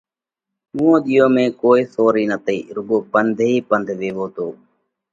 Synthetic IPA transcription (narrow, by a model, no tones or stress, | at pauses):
ũːõːɗ̪ɪjõːmẽːkoːiːsoːɾiːnət̪ḭːɾʊɠoːpənd̪ʱiːpənd̪ʱʋeːʋoːt̪oː